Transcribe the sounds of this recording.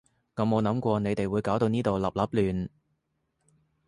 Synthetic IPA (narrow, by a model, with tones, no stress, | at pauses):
kɐ˨˧mo˨˧wnɐ˨˥mkʷɔː˧ne˨˧jt̪e˨jwuː˨˧jkaː˨˥wt̪o˧wniː˥t̪o˨wlɐ˨p̚lɐ˨˥p̚lyː˨˩n